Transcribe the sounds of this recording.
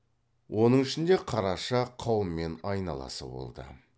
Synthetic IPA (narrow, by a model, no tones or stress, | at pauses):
wʔo̞nəɴɪʃɪnd̪e̞qʰɑɾɑʃɑqʰɑwəmːe̞nɑjnɑlˠɑ̰sə̰bo̞̰lˠd̪ə̰